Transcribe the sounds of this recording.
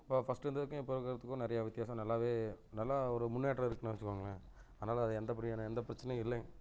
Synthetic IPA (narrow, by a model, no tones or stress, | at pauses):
pːoːfɐsʈɛnd̪ɐðɯkːʊ̃ɪpːoɾɐkɐɾɐt̪ːɯkːʊ̃nɪɾɐjaʋɪt̪ːɪjaːsɐ̃nɐlːaːʋeːnɐlːaːɔɾɯmʊnːjaːʈɾɐɪɾɯkːɯnɐʋɐt͡ʃːɯkːʋaːŋɡɐɭɐ | ɐðɐnaːlɐːðɯɛnd̪ɐp̬ɐɽɪnɛnd̪ɐpɪɾɐt͡ʃːɐnɛ̃ɪlːɐ